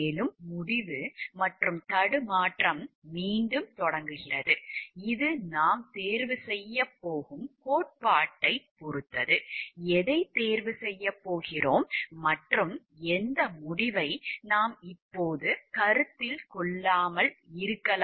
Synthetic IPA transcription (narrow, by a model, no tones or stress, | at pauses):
lɯmːʊɽɪʋɯmɐʈrɯmt̪ɐɽɯmaːʈrɐmːiːɳɖɯmt̪ɔɽɐŋɡɯɣɪrɐðɯɪðɯnaːmt̪eːɾʋɯsɛjːɐpːoːɣɯmkoːʈ̚paːʈːɐɪpɔɾɯt̪ːɐðɯɛðɐɪt̪eːɾʋɯsɛjːɐpːoːɣɪroːmːɐʈrɯm | ɛnd̪ɐmʊɽɪʋɐɪnaːmɪpːoːðɯkɐɾɯt̪ːɪlkɔɭːaːmɐlɪɾɯkːɐl